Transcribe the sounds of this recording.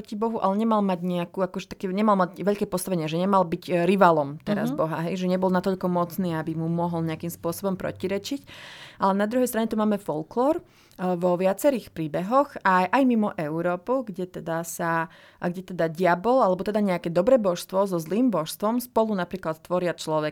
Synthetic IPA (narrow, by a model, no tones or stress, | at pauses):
cibɔɦuʔa̰lɛɲɛmalmaɟɲɛakuːakɔʒɛt̪ḁkɛːɲɛmalmaɟʋɛʎkɛːpɔst̪aʋɛɲɪaʒɛɲɛmalbiɟɾiʋalɔmt̪ɛɾa̰zbɔɦa̰ɦɛjʒɛɲɛbɔlnat̪ɔʎkɔmɔt͡sniːabimumɔɦɔlɲɛakimspʊɔsɔbɔmpɾɔ̰ciɾɛt͡ʃicʔalɛnad̪ɾuɦɛjst̪ɾaɲɛt̪umaːmɛfɔlklɔːɾ | ʋɔʋɪat͡sɛɾiːxpɾiːbɛɦɔxajʔajmimɔʔɛʊɾɔːpuɡɟɛt̪ɛd̪asa | ɡɟɛt̪ɛd̪aɟɪabɔlalɛbɔt̪ɛd̪aɲɛakɛːd̪ɔbɾɛbɔʃst̪ʋɔzɔzliːmbɔʃst̪ʋɔmspɔlunapɾiːklat̪t̪ːʋɔɾɪat͡ʃlɔʋɛ